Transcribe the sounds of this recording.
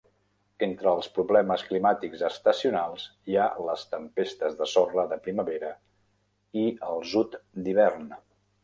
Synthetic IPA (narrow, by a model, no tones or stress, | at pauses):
ent̪ɾəːlˠspɾuβlɛməsklimat̪iɡzəst̪əsiunalˠzialəst̪əmpest̪əzðəsɔrəðəpɾiməβeɾə | iəlˠzut̪d̪iβ̞ɛrn